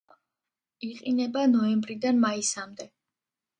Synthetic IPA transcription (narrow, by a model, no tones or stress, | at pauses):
iqʼinɛbanɔɛmbɾid̪anmaisamd̪ɛ